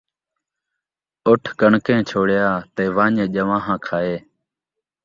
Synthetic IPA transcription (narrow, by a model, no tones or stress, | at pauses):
ʊʈʰkəɳkẽːt͡ʃʰoːɽjaːt̪eːʋãːɲẽːʄəʋãːɦãːkʰaːeː